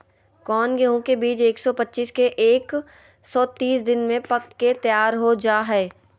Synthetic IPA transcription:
kɔːnɡɛɦõkebiːt͡ʃeːksɔpɐtːʃiːskeʔeːk | sɔːt̪iːsd̪ɪnmẽpɐkt̪ket̪jaːɾɦod͡ʒaːɦɛː

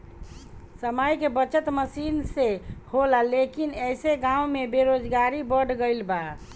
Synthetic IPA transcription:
səməjkebət͡ʃət̪məsinseholalekinɛjseɡãumebeɾod͡ʒɡaɾibəɽɡəɪlba

